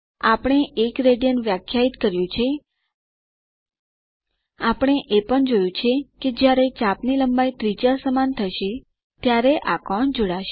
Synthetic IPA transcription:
apəɽ̃eʔekɾeɖijənʋjakʰjait̪kəɾjũt͡ʃʰe | apɽ̃eʔepəɳd͡ʒojũt͡ʃʰeked͡ʒjaɾet͡ʃapniləmbait̪ɾid͡ʒasəmant̪ʰəʃe | t̪jaɾeʔakɔɳd͡ʒoɽaʃe

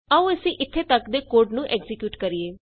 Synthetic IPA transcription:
əũːəsĩːʔɪt̪ʰːeːt̪əkd̪eːkoːɾɖnũːʔɛːkzɪkjuːʈkəɾieː

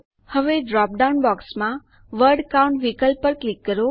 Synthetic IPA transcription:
həʋeɖɾɔp̚ɖawnbɔksmã | ʋəɾɖkauɳʈʋikəlpːəɾklikːəɾo

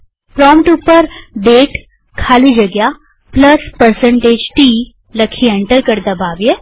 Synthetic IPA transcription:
pɾɔːmʈupəɾɖeːʈ | kʰaːlid͡ʒɐɡja | plɐspəɾsə̃ɳʈeːd͡ʒʈi | lɐkʰiɛ̃ɳʈəɾkɐɾd̪ɐbaːʋje

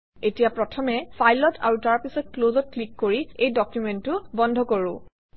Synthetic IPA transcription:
etijapɹɔtʰɔmɛpʰajlɔtʰa̰ɹutaɹpisɔt̚klozɔt̚klikːoɹiejdɔkjumɛntʊbɔndʱɔkoɹʊ̃

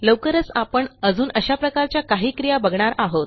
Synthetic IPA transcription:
ləwkəɾət͡sapəɳəd͡zuːnəɕapɾəkaɾt͡ɕjakaɦiːkɾijabəɡɳaɾaɦot̪

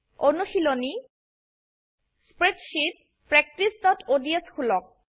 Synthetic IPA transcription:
onuxiloni | spɹetʃit̚ | pɹɛk̚tisdɔtodieskʰulɔk̚

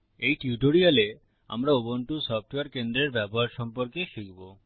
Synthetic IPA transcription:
ejʈiuʈoɾiale | a̰mɾaobonʈusɔfʰʈoeaɾkend̪ɾeɾbɛboɦaɾʃɔmpoɾkeʃikbo

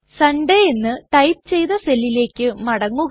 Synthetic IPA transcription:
sɐɳɖeenːɨʈ̪ɐjp̚t͡ɕe̞jðɐselːile̞ːkʲːɨmɐɽɐŋːuɣ

